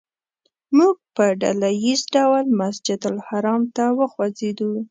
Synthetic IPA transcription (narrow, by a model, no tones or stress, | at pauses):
muɡ̚pəɖa̰lajizɖawlmasd͡ʒɪd̪ʊlhaɾɑmt̪awəxwazed̪u